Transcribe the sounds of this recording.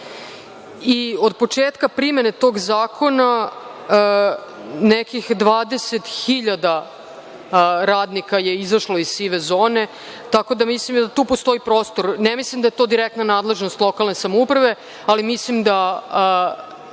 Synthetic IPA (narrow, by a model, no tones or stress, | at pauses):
io̞d̪̚po̞t͡ʂeːt̪kapɾimenet̪o̞ɡzaːkʰo̞na | nekixd̪ʋaːd̪e̞set̪xiʎad̪a | ɾaːd̪nikajeizaʃlo̞izsiʋezoːne̞ | t̪ako̞d̪amislimd̪at̪uːpost̪o̞ipɾoːst̪o̞ɾnɛmislimd̪ajet̪o̞d̪iɾɛk̚t̪nanaːd̪le̞ʒnost̪lˠo̞kalne̞samoupɾaʋe̞ | alimislimd̪a